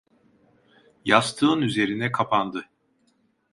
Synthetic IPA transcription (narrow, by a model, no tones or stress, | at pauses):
jast̪ʰɯːnyze̞ɾinɛkʰapʰand̪ɯ